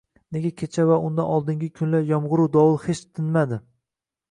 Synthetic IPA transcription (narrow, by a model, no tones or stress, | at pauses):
ne̞ɡʲakʲʰet͡ʃʰavaʊnd̪anɒlˠd̪ɪŋɡʲɪkʲʰʊnlaɾjɒmʁʊɾud̪ɒwʊlˠhet͡ʃt̪ʰɪnmad̪ɪ